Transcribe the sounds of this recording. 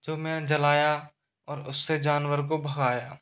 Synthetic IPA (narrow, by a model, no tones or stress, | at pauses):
d͡ʒoːmɛ̃ːd͡ʒɐlaːja | ɔːɾʊsːed͡ʒaːnwəɾkobʱɐɣaːjaː